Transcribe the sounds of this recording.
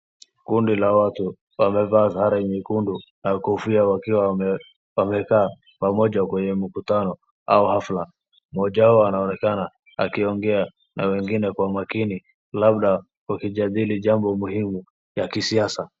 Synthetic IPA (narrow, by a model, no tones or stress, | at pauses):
kundilawatu | wamɛvaːzhaɾaimikundunakufiawakiwa | wamɛkaː | pamɔʄakwɛɲɛmikutanɔ | a̰uhafla | mɔʄaɔanaɔnɛkana | a̰kiɔŋɡɛa | na̰wɛŋɡinɛkwamakini | labɗa | wakiʄaðiliʄambɔmuhimu | jakisiasa